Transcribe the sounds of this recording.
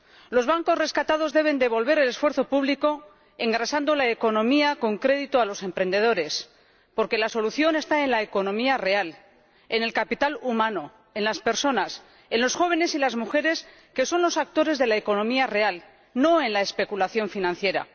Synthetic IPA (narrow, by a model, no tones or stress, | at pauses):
lo̞zβaŋko̞zre̞skat̪að̞o̞zðe̞β̞e̞nd̪e̞β̞o̞lβe̞ɾe̞le̞sfwe̞ɾθo̞puβliko̞ | e̞ŋɡɾasand̪olaeko̞nõ̞miako̞ŋkɾe̞ðit̪oalo̞se̞mpɾe̞nd̪e̞ðo̞ɾe̞s | po̞ɾke̞laso̞luθjo̞ne̞st̪ae̞nlaeko̞nõ̞miare̞al | ene̞lkapit̪alumãno̞ | e̞nlaspe̞ɾso̞nas | e̞nlo̞sxo̞β̞e̞ne̞silazmuxe̞ɾe̞s | ke̞so̞nlo̞sak̚t̪o̞ɾe̞zðe̞laeko̞nõ̞miare̞al | no̞e̞nlaespe̞kulaθjo̞ɱfinãn̟θje̞ɾa̰